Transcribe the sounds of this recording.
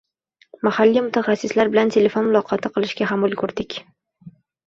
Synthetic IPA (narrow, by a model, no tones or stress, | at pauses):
mahalːimʊt̪ʰaχasːɪslaɾbɪlant̪ʰe̞le̞fonmʊlˠɒqʰɒt̪ʰɪqʰɨlˠɪʃɡʲaɦamʊlˠkʰɵɾd̪ɪkʲ